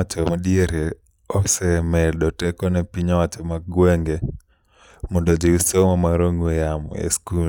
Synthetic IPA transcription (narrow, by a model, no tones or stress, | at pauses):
at͡ʃɔmaɗieɾe | ɔsɛmɛɗɔtɛkɔnɛpiɲɔwat͡ʃɔmaɡweŋɡe | mɔndɔd͡ʒiusomamaɾoŋejam̰ḛsku